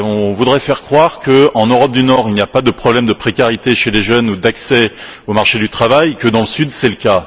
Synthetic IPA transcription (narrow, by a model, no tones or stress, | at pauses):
ɔ̃vud̪ʁɛfɛʁkχwaʁkəɑ̃nøʁɔp̚d̪ynɔʁilnijapad̪əpχɔblɛmd̪əpχekʲaʁit̪eʃeleʒœnud̪aksɛomaʁʃed̪yt̪χavajkəd̪ɑ̃ləsyd̪sɛləka